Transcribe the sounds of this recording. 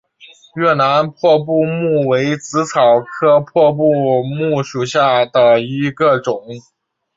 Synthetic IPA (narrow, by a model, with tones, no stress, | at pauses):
ɥɛ˥˩na˧˥npʰwɔ˥˧p̬u˥˧mu˥˩we˧˥ɪt͡sɹ̩˧˥t͡sʰɑ˨˩ʊkʰɤ˥pʰwɔ˥˧p̬u˥˧mu˥˩ʂu˨˩ɕja˥˩d̪ə˩i˧˥ɡə˧ʈ͡ʂʊ˨˩˦ŋ